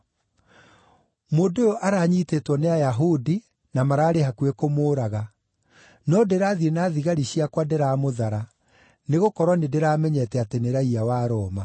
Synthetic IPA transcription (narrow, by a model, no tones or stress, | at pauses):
moːdojoʔaɾaːɲitetwɔneajaɦudi | namaɾaːɾehakwekomoːɾaɣa | nɔdeɾaːðienaːðiɣaɾiɕiakwadeɾaːmoðaɾa | neɣokɔɾwanedeɾaːmɛɲɛtɛateneɾaiawaːɾɔːma